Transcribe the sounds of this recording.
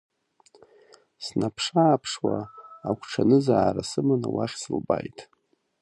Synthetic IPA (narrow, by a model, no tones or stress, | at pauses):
snapʰʂaːpʰʂwaakʷʰʈ͡ʂʰanɨzaːɾasɨmanawaχʲsɨlbajtʼ